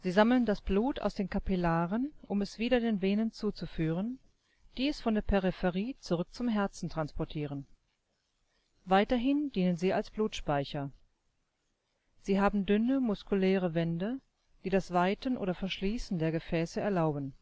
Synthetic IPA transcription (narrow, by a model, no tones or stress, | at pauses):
z̥iːzaml̩əndasb̥luːtʰa̰ʊsd̥eːnkʰapilaːʁənʔʊmɛsv̥iːdɐdeːnveːnənt͡suːt͡sufyːʁ̞ən | d̥iːɛsfɔndeːɐpʰɛʁɪfɛʁiːt͡suʁʏk̚t͡sʊmɦɛɐt͡sn̩tʁ̥anspɔɐtʰiːʁ̞ən | vaɪtɐɦɪndiːnənziːalsb̥luːtʃpaɪçɐ | z̥iːɦaːbm̩dʏnəmʊskulɛːʁ̞əvɛndə | d̥iːdasv̥aɪtənʔo̰ːɾɐfɛɐʃliːsn̩deːɐɡəfɛːsəɛɐlaʊbn̩